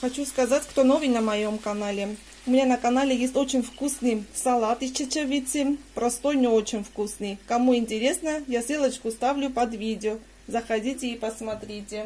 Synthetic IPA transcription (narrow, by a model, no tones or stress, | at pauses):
xɐt͡ɕuskɐzatʲkt̪onovɨjnəmɐjomkɐnalʲɪ | ʊmʲɪnʲanəkɐnalʲɪjesʲtʲo̞t͡ɕɪnʲfkusnɨjsɐlˠat̪ɨt͡ɕɪt͡ɕəvʲitʲɪpɾɐst̪o̞jnʲɪot͡ɕɪnʲfkusnɨjkɐmuɪnʲtʲɪɾʲe̞snəjasʲelˠət͡ɕkʊst̪avlʲʊpɐd̪vʲidʲɪo | zəxɐdʲitʲɪipəsmɐt̪ɾʲitʲɪ